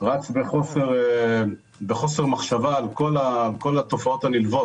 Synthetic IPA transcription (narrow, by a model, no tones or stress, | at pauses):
ʁat͡sbeχo̞seʁ | beχo̞seʁmaχʃavaːlko̞laːlko̞lat̪o̞faot̪anilvo̞t